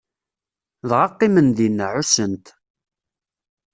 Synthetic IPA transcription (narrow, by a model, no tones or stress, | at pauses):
ðʁɑqːɪmənðinːʕʊsənt̪